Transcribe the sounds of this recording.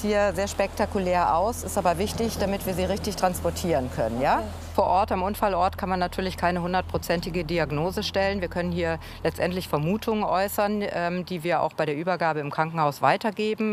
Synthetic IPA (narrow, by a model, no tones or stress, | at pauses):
hiːɐzeːɐʃpɛk̚takulɛːɐʔa̰ʊsɪstʔaːbɐvɪçdtɪçd̥amɪtv̥iːɐziːʁɪçtɪçtʁ̥anspɔɐtʰiːʁənkʰœ̰nənjaː | foːɐʔɔɐtamʔʊnfalʔɔɐtkʰanmanːatʰyːɐlɪçkʰaɪnəhʊndɐt̚pʁ̥ot͡sɛntɪɡədiaɡnoːzəʃtɛlənviːɐkʰœnənhiːɐ | lɛt͡stʔɛntlɪçfɛɐmuːtʰʊŋənʔɔʏsɐnʔɛːmdiːviːɐa̰ʊxb̥aɪɾeːɐʔyːbɐɡaːbəɪmkʁ̥aŋkŋ̩haʊsv̥a̰ɪtɐɡeːbm̩